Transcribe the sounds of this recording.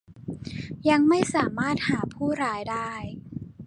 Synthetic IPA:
ja˧ŋma˥˩jsaː˩˦maː˥˩t̪̚haː˩˦pʰuː˥˩ɾaː˦˥jdaː˥˩j

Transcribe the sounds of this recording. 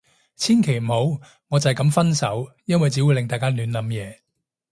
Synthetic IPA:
t͡sʰiː˥nkʰe˨˩jm̩˨˩ho˨˥w | ŋɔː˨˧t͡sɐ˨hjkɐ˨˥mfɐ˥nsɐ˨˥w | jɐ˥nwɐ˨jt͡siː˨˥wu˨˧jlɪ˨ŋt̪aː˨jkaː˥lyː˨˧nlɐ˨˥mjɛː˨˧

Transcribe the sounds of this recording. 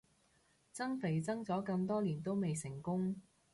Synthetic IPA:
t͡sɐ˥ŋfe˨˩jt͡sɐ˥ŋt͡sɔː˨˥kɐ˧ŋt̪ɔː˥liː˨˩nt̪o˥wme˨jsɪ˨˩ŋkʊ˥ŋ

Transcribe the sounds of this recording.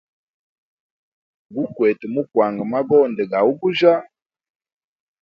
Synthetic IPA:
ɡu˦kwɛ˨te˨mu˦kwa˨ŋɡə˨ma˦ɡɔ˦˨ndɛ˨ɡa˨u˦ɡu˦ʒa˦

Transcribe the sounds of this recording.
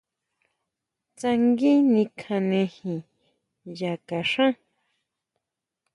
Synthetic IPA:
t͡sa˧ŋɡi˦nĩ˧kʰã˧nẽ˧hĩ˨ | ja˨ka˨ʂã˦

